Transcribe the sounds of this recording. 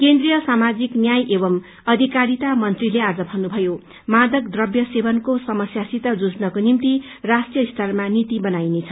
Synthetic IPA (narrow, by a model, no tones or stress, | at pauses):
kend̪rijʌsamad͡ziknjajʔebʌm | ʌd̪ʱikaɾit̪amʌnt̪rilead͡zʌbʱʌnubʱʌjo | mad̪ʌkd̪rʌbjʌsebʌnkosʌmʌsjasit̪ʌd͡zud͡znʌkonimt̪i | rasʈijʌist̪ʰarmanit̪ibʌnajnet͡sʰʌ